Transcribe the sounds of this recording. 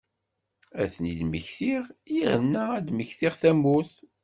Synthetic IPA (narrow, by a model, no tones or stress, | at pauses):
æθnid̪məçθiʁjæhənːææd̪məçθiʁθæmːuθ